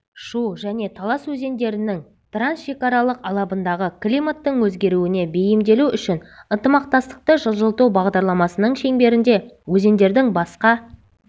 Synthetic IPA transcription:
ʃuʒæne̞t̪ʰɑlˠɑswɵze̞nd̪e̞ɾɪnɪŋ | t̪ransʃe̞kɑɾɑlˠəqɑlˠɑbənd̪ɑʁəklʲijmat̪ːəɴwɵzɡʲe̞ɾuɪne̞be̞jɪmd̪e̞luʏʃɪnənt̪əmɑq̚t̪ɑst̪ə̥q̚t̪əʒəlˠʒəlˠt̪ubɑʁd̪ɑɾlˠɑmɑsənəɴʃe̞ŋbe̞ɾɪnd̪e̞wɵze̞nd̪e̞ɾd̪ɪŋbɑsqɑ

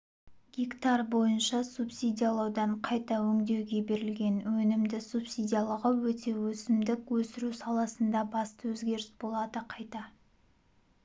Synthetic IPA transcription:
ɡʲikt̪ɑrbo̞jənʃɑsupsijd̪ʲijalˠɑwd̪ɑɴqʰɑjt̪ɑwɵŋd̪e̞wɡʲe̞be̞ɾɪlɡʲe̞nwɵnɪmd̪ɪsupsijd̪ʲijalˠəʁəwɵt̪e̞wɵsɪmd̪ɪkwɵsɪɾusɑlˠɑsənd̪ɑbɑst̪əwɵzɡʲe̞ɾɪsbo̞lˠɑd̪əqʰɑjt̪ɑ

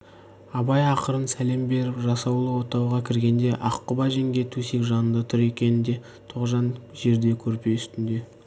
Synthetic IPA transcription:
ɑbɑjɑqəɾənsæle̞mbe̞ɾɪpʒɑsɑwlˠəwo̞t̪ɑwʁɑkʲʰɪɾɡʲe̞nd̪e̞ʔɑqːəbɑʒeŋɡʲe̞t̪ʰusekʒɑnənd̪ɑt̪ʰʊɾe̞kʲe̞nɪnd̪e̞ | t̪ʰoqʒɑnʒe̞ɾd̪e̞kʲʰɵɾpe̞ʏst̪ɪnd̪e̞

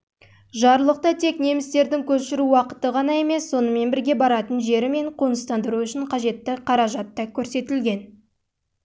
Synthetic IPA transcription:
ʒɑɾlˠəq̚t̪ɑt̪ʰe̞kne̞mɪst̪e̞ɾd̪ɪŋkʲʰɵʃɪɾuwɑqə̥t̪əʁɑnɑe̞me̞sːo̞nəme̞nbɪɾɡʲe̞bɑɾɑt̪ənʒe̞ɾɪme̞ɴqʰonəst̪ɑnd̪əɾuʏʃɪɴqʰɑʒe̞t̪ːɪqʰɑɾɑʒɑt̪ːɑkʲʰɵɾse̞t̪ɪlɡʲe̞n

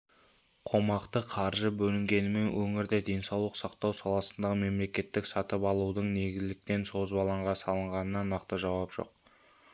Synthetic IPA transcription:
qʰo̞mɑqt̪əqʰɑɾʒəbɵlɪŋɡʲe̞nɪme̞nwʔɵŋɪɾd̪ed̪e̞nsɑwlˠəqsɑqt̪ɑwsɑlˠɑsənd̪ɑʁəme̞mle̞kʲe̞t̪ːɪksɑt̪əpɑlˠud̪əɴne̞ɡʲɪzlɪk̚t̪e̞nso̞zbɑlˠɑɴʁɑsɑlˠəɴʁɑnənɑnɑqt̪əʒɑwɑpʒ̥o̞̰q

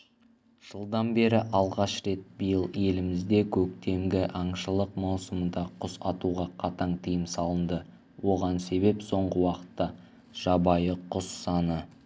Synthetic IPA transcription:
ʒ̥əlˠd̪ɑnbe̞ɾɪʔɑlˠʁɑʃɾe̞t̪̚bijəlˠe̞lɪmɪzd̪e̞kʲʰɵkt̪e̞mɡʲɪʔɑɴʃəlˠəqmɑwsəmd̪ɑqʰʊsɑt̪uʁɑqʰɑt̪ɑɴt̪ʰijɪmsɑlˠənd̪ə | wʔo̞ʁɑnse̞βe̞pso̞ɴʁəwɑqə̥t̪ːɑ | ʒ̥ɑbɑjəqʰʊsːɑnə

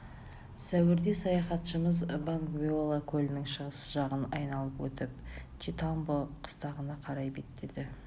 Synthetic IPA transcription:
sæwɪɾd̪e̞sɑjɑχɑt̪ʃəməzbaŋkvʲeolˠakʲʰɵlɪnɪŋʃəʁəsəʒɑʁənɑ̰jnɑlˠəpwɵt̪ɪp̚t͡ʃʰit̪ɑmbəqʰə̥st̪ɑʁənɑqʰɑɾɑjbet̪ːed̪ɪ

